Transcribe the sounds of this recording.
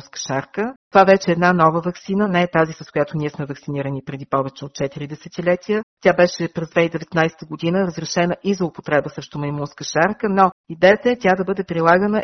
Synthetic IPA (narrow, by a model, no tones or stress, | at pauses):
skə̥ʃaɾkət̪ovavɛt͡ʃɛɛːd̪nanɔvəvɐksinənɛɛt̪azisɐskoʊjat̪oniɛsmɛvɐksiniɾənipɾɛd̪ipɔvɛt͡ʃɛot̪̚t͡ʃɛt̪iɾid̪ɛsɛt̪ilɛt̪ijət̪ʲabɛʃɛpɾɛzd̪vɛid̪ɛvɛt̪najsɛ̥t̪əɡod̪inəɾəzɾɛʃɛnəʔizɐʊpo̥t̪ɾɛbəsɛʃt̪omɐnʲimunskəʃaɾkənɔid̪ɛət̪əɛt̪ʲad̪ɐbɤd̪ɛpɾilˠaɡənə